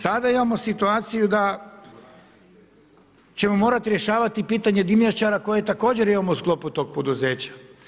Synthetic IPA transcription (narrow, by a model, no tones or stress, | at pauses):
sad̪aimamo̞sit̪uaːt̪sijud̪a | t͡ɕe̞mo̞mo̞ːɾat̪iɾje̞ʃaːʋat̪ipiːt̪aɲe̞d̪imʎat͡ʃaɾako̞jet̪ako̞ːd͡ʑe̞ɾimamousklo̞put̪o̞ɡ̚po̞d̪uze̞ːt͡ɕḁ